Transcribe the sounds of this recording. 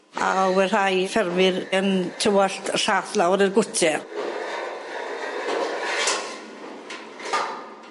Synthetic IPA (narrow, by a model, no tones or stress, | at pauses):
a̰wɛr̥ajfɛɾvɪɾənt̪ʰɪwaɬt̪ʰr̥aːθlaɔɾɪɾɡʊtʰɛ